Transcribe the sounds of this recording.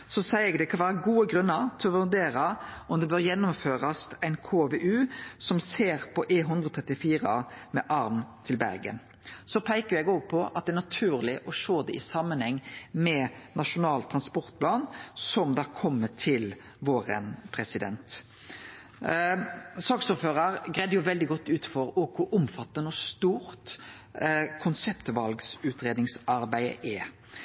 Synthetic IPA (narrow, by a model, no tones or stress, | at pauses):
sɔsæɪɛɡd̪ɛkʰɑnʋæːɾəɡuːəɡɾʉnːəɾt̪ʰɪɔʋʉʁd̪eːɾɑɔmd̪ɛbøːɾjɛnːʊmføːɾɑst̪æɪnkʰoːʋeʔʉːsɔmseːɾpʰɔʔeːɦʉnd̪ɾʁɔt̪ʰʁɛt̪ɪfiːɾəmɛʔɑɾmnt̪ʰɪlbæ̰ɾɡə̰n | sɔpʰæɪkəjɛɡɔɡ̚pʰɔʔɑt̪̚d̪ɛæːnɑt̪ʰʉːɾlɪʔɔʂoːd̪ɛʔɪsɑmːənhɛŋːmɛnɑʂʊnɑːlt̪ʰʁɑnspɔɾt̪̚pʰlɑːnsɔmd̪ɑkʰɔmːət̪ʰɪl | ʋoːɾə̰npʰʁɛsɪd̪ɛ̰nt̪ | sɑːksʊːføːʁəɾɡʁɛd̪əjʊʋɛld̪ɪɡɔt̪ːʉːt̪fɔɾɔɡkʰʊʔʊmfɑt̪ːənɔst̪uːɾt̪ | kʰʊnsɛpt̪ʋɑlɡsʉːt̪ɾeːd̪nɪŋsɑɾbæɪə̰ʔɛ